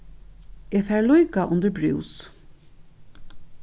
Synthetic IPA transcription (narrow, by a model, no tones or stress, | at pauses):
eːɡfæːɹlɔjkaʔʊnd̪əbɹʉ̰ws